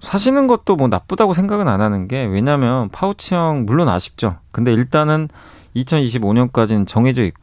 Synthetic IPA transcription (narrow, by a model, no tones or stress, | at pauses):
sʰaɕ̬ʰinɯnɡʌt̚t͈omʌnap͈ɯdaɡos̬ʰe̞ŋɡaɡɯnananɯnɡe̞we̞ɲamjʌnpʰaut͡ɕʰiʌŋmuɭːona̰ɕʰi̥p̚t͡ɕ͈okɯnde̞iɭt͈anɯn | it͡ɕʰʌniɕ̬ʰiboɲʌnk͈ad͡ʑinɯnt͡ɕʌŋɦe̞d͡ʑʌik̚k͈o